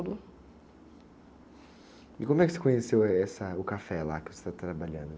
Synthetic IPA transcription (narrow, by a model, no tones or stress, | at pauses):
d̪ʊ | ɪkõmʊɛkɪ̥se̥kõɲesewɛsɐʊkafɛla̰kɪvose̥t̪at̪ɾabaʎɐ̃nd̪ʊ